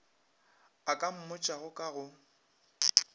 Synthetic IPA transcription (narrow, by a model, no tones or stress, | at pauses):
akʼam̩mʊt͡ʃʼaɣʊkʼaɣʊ